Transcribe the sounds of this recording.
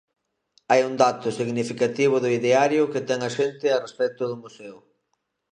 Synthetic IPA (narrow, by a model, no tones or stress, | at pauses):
ajuŋd̪at̪ʊsiɣnifikat̪iβ̞ʊðʊiðeaɾjʊket̪ɛŋaʃent̪ɪarespɛk̚t̪ʊð̞ʊmusɛʊ